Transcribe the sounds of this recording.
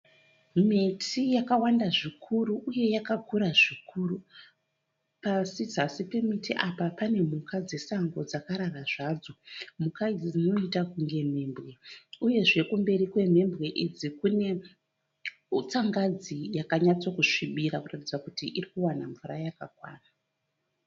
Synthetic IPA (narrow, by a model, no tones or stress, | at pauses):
mitʰijakawandaʐikʰuɾuʔːje̞jakakʰuɾaʐikʰuru | pasid͡zasipe̞mitiʔapapane̞mukad͡ze̞saŋɡo̞d͡zakaɾaraʐaːd͡zo̞mukaid͡zid͡zino̞itakuŋɡe̞m̤e̞ːmbɣe̞uje̞ʐe̞kumbe̞ɾikwe̞me̞mbɣe̞ʔid͡zikune̞ | t͡saŋɡad͡zijakaɲat͡so̞kuʂiɓiɾakuratid͡zakutiʔirikuwanaɱvurajakakwa̰ːna